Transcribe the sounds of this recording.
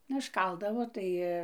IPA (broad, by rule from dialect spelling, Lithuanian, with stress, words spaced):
nʊ ɪʃˈkɐlˠdɐʋoː ˈtɐɪ